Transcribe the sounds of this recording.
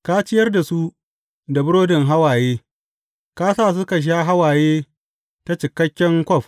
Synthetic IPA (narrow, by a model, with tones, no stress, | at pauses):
kaː˦t͡ʃɪ˦jɐ˦rda˨su˦ | da˨bʊ˦ɽoː˦dɪ˨ŋɦa˦waː˨jeː˦ | kaː˦saː˦˨s̬ʊ˦ka˨ʃ̬aː˦ɦa˦waː˨jeː˦ | ta˦t͡ʃɪ˨kɐ˦kʲːɛ˦ŋkʷɔ˦˨ɸ